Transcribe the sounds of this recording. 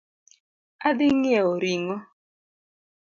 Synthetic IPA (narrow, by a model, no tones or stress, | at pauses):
adɪŋjɛoɾiŋɔ